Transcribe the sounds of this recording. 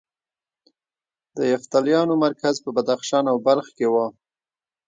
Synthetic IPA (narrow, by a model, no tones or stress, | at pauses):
d̪əjaft̪aljɑnomaɾkazpəbad̪axʃɑnawbalxkewɑ